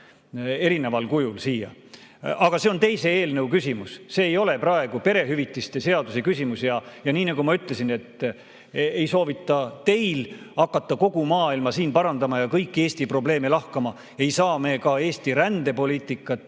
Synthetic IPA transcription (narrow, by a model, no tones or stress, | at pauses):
e̞ɾine̞vɑlkujulsiːjɑ̰ | ɑɡ̥ɑse̞o̞nt̪ejse̞eːlnewkysʲimusse̞ːjo̞le̞prɑe̞ɡ̥upe̞ɾe̞ɦyvit̪ːˑist̪e̞se̞ɑd̪usekysʲimusjɑjɑniːnɑɡumɑyt̪ˑle̞sine̞t̪ː | e̞jso̞ːvit̪ːˑɑt̪e̞jl | ɑkːˑɑt̪ːˑɑko̞ɡ̥umɑːilmɑsiːnpɑɾɑnd̪ɑmɑjɑkɤjkːˑe̞ːsʲt̪ipro̞ble̞ːmelɑhkɑmɑ | e̞jsɑːme̞kɑe̞ːst̪iɾænd̪̥e̞po̞lʲiːt̪ːˑikːˑɑt̪ːˑ